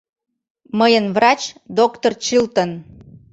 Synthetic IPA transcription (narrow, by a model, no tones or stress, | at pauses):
məjənβrɑt͡ɕd̪okt̪ort͡ɕɨlt̪ən